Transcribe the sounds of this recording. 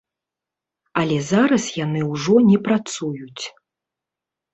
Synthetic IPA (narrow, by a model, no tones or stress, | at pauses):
ɐlʲɛzaɾɐsjanɨwʐɔnʲɛpɾat̪sujut͡sʲ